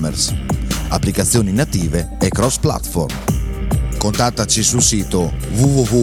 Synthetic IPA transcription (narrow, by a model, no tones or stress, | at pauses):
mḛrsa̰pːlikat̪sːjoːninat̪iːveekːɾɔspla̰t̪fo̰ɾm | kont̪at̪ːat͡ʃisulsiːt̪ovuvuvu